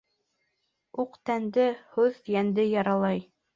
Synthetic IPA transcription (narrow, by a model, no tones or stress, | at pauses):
uqt̪ænd̪ɘhuðjænd̪ɘjɑɾɑlˠɑj